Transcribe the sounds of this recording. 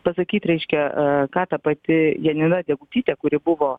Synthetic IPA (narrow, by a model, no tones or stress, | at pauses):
pɐsɐkʲiːt̪ɾʲɛɪʃʲkʲɛkɑːt̪ɐpɐt̪ʲɪjɛnʲɪnɐdʲɛɡʊt̪ʲiːt̪ʲɛkʊɾʲɪbʊʋoː